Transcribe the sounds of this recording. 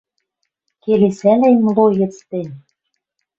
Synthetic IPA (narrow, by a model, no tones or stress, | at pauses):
kelesælæjmlojɤ̆t͡st̪enʲ